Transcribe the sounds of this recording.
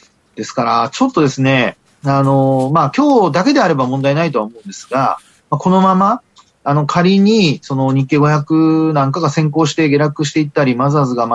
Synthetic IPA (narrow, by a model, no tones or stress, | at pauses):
d̪̥e̞sɨ̥kaɾat͡ɕo̞t̪ːo̞d̪e̞sɨne̞ | ano̞makʲo̞ːd̪ake̞d̪e̞aɾe̞bamõnd̪ainait̪o̞aomo̞ɯ̟̃nd̪esɨɡa̰ | mako̞no̞mamaː | no̞kʰaɾʲiɲ̟iso̞no̞ɲ̟ikːe̞ɡo̞çʲjakɯ̟nãŋkaɡasẽ̞ŋko̞ːɕi̥t̪e̞ɡʲe̞ɾakɯ̟ɕ̬i̥t̪e̞it̪ːaɾʲimazazɨɡam